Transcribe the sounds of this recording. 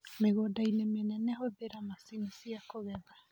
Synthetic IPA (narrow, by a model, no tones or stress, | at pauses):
meɡodajnɛmenɛnehoebeɾamasinisiakoɡeba